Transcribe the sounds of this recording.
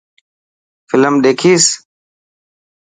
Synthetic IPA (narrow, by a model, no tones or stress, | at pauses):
fɪləmɗ̪eːkʰiːs